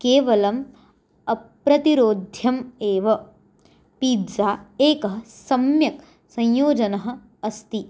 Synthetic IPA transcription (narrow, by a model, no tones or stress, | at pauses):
keːʋɐlɐm | ɐpɾɐt̪iɾoːd̪ʱjɐmeːʋɐ | piːdd͡ʒaːeːkɐɦɐsɐmjɐk | sɐ̃jjoːd͡ʒɐnɐɦɐ̆ | ɐst̪i